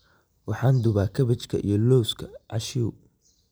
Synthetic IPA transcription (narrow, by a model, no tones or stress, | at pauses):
wɑħɑːnd̪ʊβaːkʰɐβɐt͡ʃkʰɐʔḭjɞlɔwskʰɐʕɑ̰ʃiw